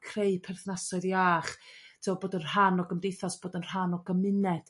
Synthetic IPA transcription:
kʰreɨpʰɛrθnasɔɨðjaːχtʰiwɔboːdən̥ɦanɔɡəmdejθɔsb̥oːdənr̥anɔɡəmɪnɛd̥

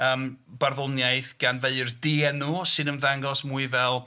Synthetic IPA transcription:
əːmb̥arðʊnjajθɡ̥anveɨrdiɛnuːsɨnənðaŋɡɔsmuɨvɛlˠ

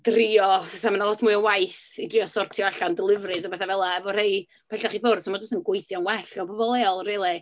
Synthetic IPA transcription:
d̥riɔpɛθamanalˠɔtʰmuɨɔwajθidriɔsɔrtʰjɔaɬandɪlˠɪvrɨsɔbɛθavɛlˠaɛvɔrej | pʰɛɬaχiːfoːrd̥sɔmɔd͡ʒʊstənɡwejθjɔnwɛɬɔbɔbɔlˠeɔlˠreːlˠɛ

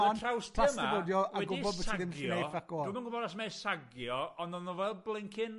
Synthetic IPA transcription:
nʰrawstʰl̥ˠasmaəvɔːdjɔʔaɡʊibɔdvəiɡɪnnejfakɔdumanɡʊbɔdasmesaɡjɔɔnɔnɔvɛlˠblˠɪŋkʰɪn

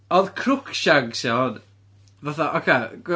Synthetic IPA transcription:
ɔðkʰrʊkʰʃaŋsɪɔd | vaθaʔɔkʰeɡ̥wɪ

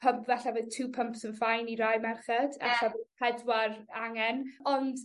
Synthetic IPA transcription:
pʰəmpʰvaɬavɨðtʰuːpʰəmpsənfajniɾajmɛrχɛd̥aɬavəpʰɛdwaraŋɛnɔnd̥

